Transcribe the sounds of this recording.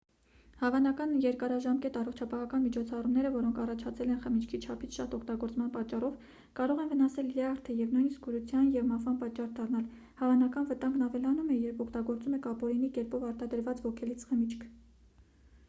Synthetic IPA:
hɑvɑnɑkɑnjɛɾkɑɾɑʒɑmkɛt̪ɑrɔχt͡ʃʰɑpɑɦɑkɑnmit͡ʃʰɔt͡sʰɑrumnɛɾəvɔɾɔŋkʰɑrɑt͡ʃʰɑt͡sʰɛlɛnχəmit͡ʃʰkʰit͡ʃʰɑpʰit͡sʰʃɑ̰t̪ɔkʰt̪ɑɡɔɾt͡smɑnpɑt͡ʃːɑrɔv | kɑɾɔʁɛnvənɑsɛlljɑɾt̪ʰəjɛvnujnisk̚ɡuɾut͡sʰjɑnjɛvmɑvɑnpɑt͡ʃːɑrd̪ɑrnɑl | hɑvɑnɑkɑnvət̪ɑŋɡnɑvɛlɑnumɛjɛɾpʰɔkʰt̪ɑɡɔɾt͡sumɛkɑpɔɾinikɛɾpɔvɑɾt̪ɑd̪əɾvɑt͡svɔkʰɛlit͡sʰχəmit͡ʃʰkʰ

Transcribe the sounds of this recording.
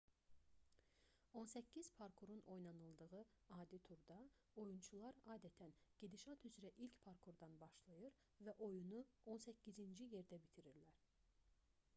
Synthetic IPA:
o̞nsæcʰːizpʰɑɾkʰoɾuno̞jnɑnɯlˠd̪ɯɣɯɑːd̪it̪ʰuɾd̪ɑ | o̞junt͡ʃʰulˠɑɾɑːd̪æt̪ʰænɟ̥ed̪iʃɑt̪ʰyzɾæʔilcpʰɑɾkʰoɾd̪ɑnbɑʃlˠɯjɯɾ | væʔo̞junuo̞nsæcːizind͡ʒije̞ɾd̪æbit̪ʰiɾiɾlæɾ̥

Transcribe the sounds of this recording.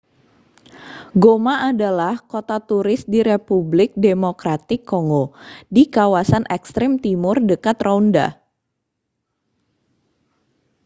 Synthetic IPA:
ɡomaadalahkot̪at̪uɾɪsdiɾepublɪk̚demokɾat̪ɪkːoŋɡodikawasanʔɛkst̪ɾɪmt̪imʊrdəkat̪raunda̰

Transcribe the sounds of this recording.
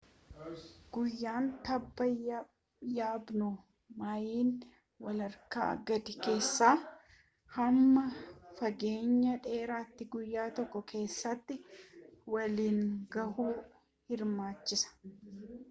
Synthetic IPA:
ɡ̥ʊjːaːnt̪ɐbːɐ | jaːbnʊ | majiːn | wɐlɐɾka̰ːɡɐd̪ɪke̞ːsːaː | hɐmːɐfɐɡe̞ːɲːɐᶑe̞ːɾaːt̪ːɪɡʊjːaːt̪ɔkːɔkʰe̞ːsːɐt̪ːɪ | wɐliːŋɡɐhuː | hɪɾmaːt͡ʃːɪsɐ̥

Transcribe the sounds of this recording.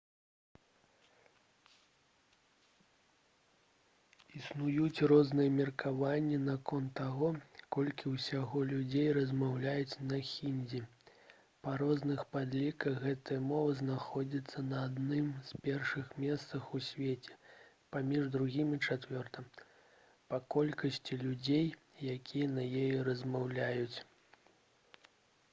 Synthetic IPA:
isnujut͡sʲrɔznɨjɐmʲirkʰavanʲːɛnakɔnt̪ːaɣɔkɔlʲkʲiwsʲaɣɔlʲud͡zʲejrɐzmawlʲajut͡sʲnɐxʲinʲd͡zʲi | pɐɾɔznɨxpad̪lʲikɐɣɣɛt̪ɨjɐmɔvɨznaxɔd͡zʲit̪sːɐnɐːd̪nɨmzpʲɛrʂɨxmʲɛst̪sɐxusʲvʲet͡sʲɛ̥ | pamʲiʐd̪ɾuɣʲimʲit͡ʂat̪vʲɔrt̪ɐm | pɐkɔlʲkɐsʲt͡sʲilʲud͡zʲej | jakʲʰijɐnɐjejɛɾɐzʲmawlʲajut͡sʲ

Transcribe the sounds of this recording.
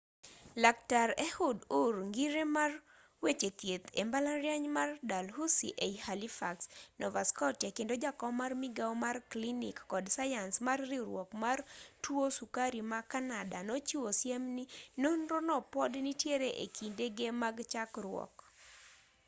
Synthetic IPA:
laktaɾehʊdurŋɡiɾemar | wet͡ʃet̪jet̪embalaɾjaɲmardalɦusḭʔeihalifa̰ksnɔva̰skɔtjakendod͡ʒakɔmarmiɡawmarklinḭkːɔdsajansmarːiɾwɔkmartwosukaɾimakanadanot͡ʃiwosjemninonɾɔnɔpɔdnitjeɾeʔekʰindeɡemaɡt͡ʃakrʊɔ̰k

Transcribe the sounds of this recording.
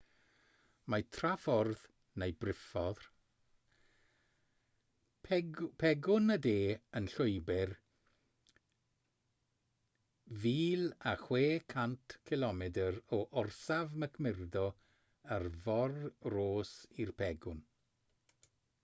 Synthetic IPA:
matʰrafɔrð | nejbrɪfɔð | pʰɛɡʊnədeːənɬʊɨbɪr | viːlˠaχweːkʰantʰkʰɪlˠɔmɛdərɔʔɔrsavməkʰmɪrdɔ | ərvɔrroːsirpʰɛɡʊn

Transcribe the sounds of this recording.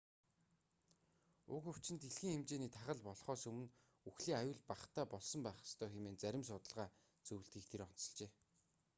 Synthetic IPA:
ʊ̰kɵw̥t͡ɕɪ̆nt̪eɮxiːŋxemt͡ɕeːniːt̪ʰaχə̆ɮpɔɮχɔːsɵmɘ̆n | uxɮiːŋajʊːɮpaχt̪ʰæːpɔɮsɞ̆mpæːχə̥̆st̪ʰœːximeːnt͡sæɾʲɪ̆ms̬ʊt̪ə̆ɮʁaː | t͡sɵw̆ɮt̪ɡiːk̚t̪ʰeɾɔn̥t͡sɞ̆ɮt͡ɕeː

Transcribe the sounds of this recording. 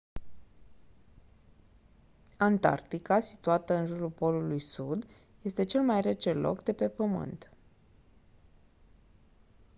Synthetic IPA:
ant̪a̰rt̪ikasi̥t̪uat̪əɨnʒuɾulpo̞lulujsud̪ | je̞st̪e̞t͡ʃe̞lmajre̞t͡ʃe̞lo̰kd̪e̞pe̞pəmɨ̰nt̪

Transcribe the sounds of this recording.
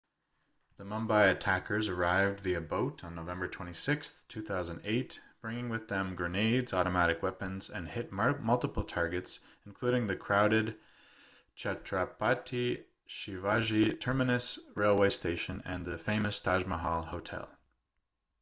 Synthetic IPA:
ðəmʌ̃mbaɪɨtʰækə˞zə˞aɪvdviɨboʊɾn̩noʊvɛ̃mbə˞tʰw̥ɛ̃ɾ̃isɪksθtʰʉθaʊzɨ̃n̩deɪtb̥ɹɪ̃ŋɪ̃ŋwɨðɨ̃mɡɹɨneɪdzɔɾɨmæɾɨkwɛpɨ̃nzɨ̰̃nhɪt̚mmʌlˠtəpl̩ˠtʰɑɹɡɨts | n̩kʰl̥ʉɾɪ̃ŋðɨkʰɹ̥aʊɾɨd̚ | t͡ʃʰætʰɹ̥apʰɑtʰi | ʃivɑʒitʰɜ˞mɨnɨsɹeɪlˠweɪsteɪʃɨ̃nɨ̃nðɨfẽɪ̃mɨstʰɑʒməɦɑlˠhoʊtʰɛ̰lˠ

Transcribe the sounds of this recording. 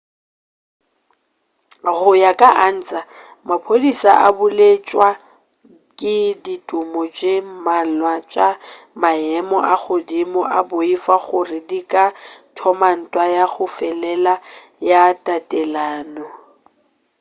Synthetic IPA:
ɣʊjakʼaʔan̩t͡sʼa | mapʰodisa̰ʔa̰bʊlet͡ʃʼwa | kʼɪditʼʊmɔd͡ʒemalwat͡ʃʼa | maɛmɔʔaɣʊdimɔʔaboifaɣʊrɪdikʼatʰɔman̩tʼwajaɣʊfɛlɛla | jatʼatʼɛlaːnɔ

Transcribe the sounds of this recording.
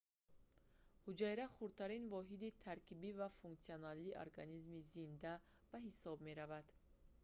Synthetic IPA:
hud͡ʒajɾaχuɾt̪ʰaɾinvɔɦid̪it̪ʰaɾkʰibivafuŋkt̪sionaliʔo̰ɾɡa̰nizmizind̪a | baɦisɔb̚me̞ɾavad̪̥

